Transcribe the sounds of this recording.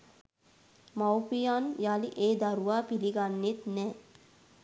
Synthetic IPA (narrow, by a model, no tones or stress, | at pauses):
mawpijanjaliʔeːd̪aɾuʋaːpiliɡanːet̪nɛː